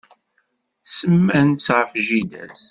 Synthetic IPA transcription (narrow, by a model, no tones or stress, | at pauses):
səmːænt͡sːʁəfʒid̪æ̰s